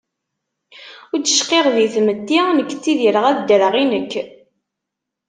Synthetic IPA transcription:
ʊɾd̪əʃqeʁðiθməd̪ːinəkːt͡sːiðiɾəʁæðd̪əɾəʁinəkː

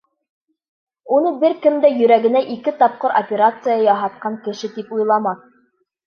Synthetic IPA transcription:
unɤbɘɾkɘ̆md̪æjɵ̆ɾæɡɘ̆næʔikɘt̪ɑp̚qɤɾo̰pʲeɾat̪sɨjɑjɑɦɑt̪̚qɑŋkɘ̆ʃɘt̪ipujlˠɑmɑ

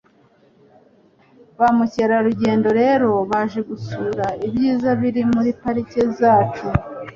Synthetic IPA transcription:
βamuceɾaɾuɟe̞ːndo̞ɾe̞ɾo̞βaʒe̞ɡusuːɾaibɟiːzaβiɾimuɾipaɾicezaːt͡ʃu

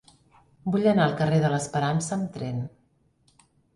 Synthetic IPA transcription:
buʎənaəlˠkəreðələspəɾansəːmt̪ɾɛn

